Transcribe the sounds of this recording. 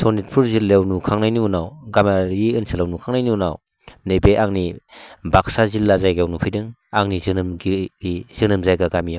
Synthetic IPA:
sɔnit̚pʰuɾzilːewnukʰaŋnajninawɡamaɾiɯnsalawnukʰaŋnajninaw | nɯjbeʔaŋnibak̚sazilːazajɡawnupʰidɯŋaŋnizɯnɯmɡiiz̥ɯnɯmzajɡaɡamijaw

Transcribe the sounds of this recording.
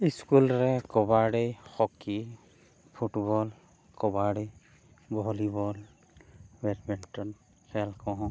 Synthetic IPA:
iskulɹɛkɔbaɖejxɔki | pʰuʈbɔl | kɔbaɽej | bɔɔlibɔl | bɛtbintɔn | sɛlkɔɦɔ̃

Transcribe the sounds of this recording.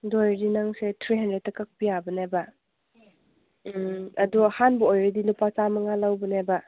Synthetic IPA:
dojdinaŋsetʰɾiɦandɾed̚takak̚bijabəneba | ɐduhanbɔojɾədilupat͡ʃamɐŋalawbəneba

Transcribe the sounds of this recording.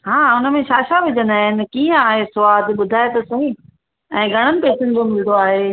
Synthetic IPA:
ɦãːʊnəmẽʃaːʃaʋɪd͡ʑə̃nd̪aːɦɪnɪ̆kiːə̃aːɦesʊʋaːd̪ɓʊd̪ʱaːet̪ɐsũĩ | ɛ̃ːɡʱɐɽ̃ənɪ̆peːt͡ɕɪñɪ̆d͡ʑomɪld̪oaːɦe

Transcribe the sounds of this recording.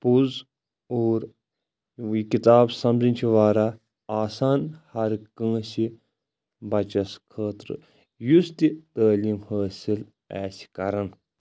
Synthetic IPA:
puz | oːɾ | ikit̪aːbsɐmzint͡ʃʰiʋaːɾa | aːsaːnhɐɾkə̃ːsi | bɐt͡ʃɐskʰəːt̪ɾɨ̰ | just̪it̪əːliːmhəːsil | ɛːsi̥kɐɾɐn

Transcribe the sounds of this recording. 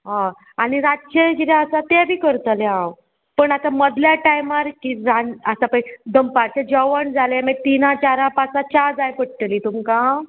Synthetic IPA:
ɦã | aniɾaɕeɡiɾaəsat̪ɛbʱiːkəɾt̪əlɛɦãw | pəɳat̪aməd̪ljaʈajmaɾkiɾaəsapəd̪əmpaɾt͡ɕɛd͡ʑəʋəɳd͡zʱalemɛt̪inãt͡ɕaɾãpat͡sat͡ɕaɾd͡zajpəʈʈəliːt̪umka

